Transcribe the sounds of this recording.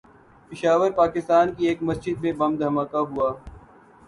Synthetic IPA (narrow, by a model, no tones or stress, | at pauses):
pɪʃaːʋəɾpaːkɪst̪aːnkieːkmɐsd͡ʒɪd̪̚mẽbɐ̃md̪ʱɐmaːkaɦuaː